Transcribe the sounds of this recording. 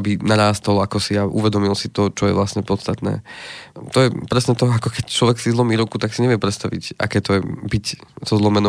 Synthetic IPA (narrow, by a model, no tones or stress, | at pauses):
binaɾaːst̪ɔlakɔsiaʔuʋɛd̪ɔmilsit̪ɔt͡ʃɔjɛ̰ʋlast̪ɲɛpɔt̪st̪at̪nɛ̰ːt̪ɔjɛpɾɛsɲɛːt̪ɔakɔkɛct͡ʃlɔʋɛksizlɔmiːɾukut̪aksiɲɛʋɪɛpɾɛt̪st̪aʋḭcʔa̰kɛːt̪ɔjɛbicz̥ɔzlɔmɛnɔ